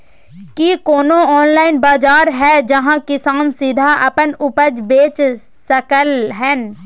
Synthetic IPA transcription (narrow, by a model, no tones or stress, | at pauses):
kikoːnoɔːnlaːɪnbaːd͡ʒaːɾɦɛd͡ʒɐɦãkɪsaːnsɪd̪ʱaʔɐpənʊpəd͡ʒbeːt͡ʃ | səkəlɦɛ̃ːn